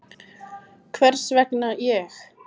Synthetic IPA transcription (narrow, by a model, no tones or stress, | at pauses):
kʰvɛr̥svɛknajɛx